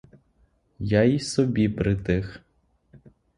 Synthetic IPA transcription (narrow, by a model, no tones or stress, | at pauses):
jaisɔbʲipɾɪt̪ɪx